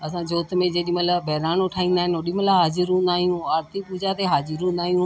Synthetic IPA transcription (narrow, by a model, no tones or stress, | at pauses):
ɐs̬ãːd͡ʒoːt̪mẽd͡ʒeɗĩmələbɛːɾaːnʊʈʰaːĩːnd̪aːɦɪnoɗiməlaɦaːzɪɾũnd̪aːɦijũːaːɾt̪ipuːd͡ʒat̪eɦaːzɪɾũːnd̪aːɦijũː